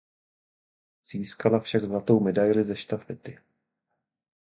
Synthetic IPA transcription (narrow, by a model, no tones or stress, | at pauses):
z̥iːskalafʃaɡzlat̪o̞wmɛdajlɪzɛʃt̪afɪt̪ɪ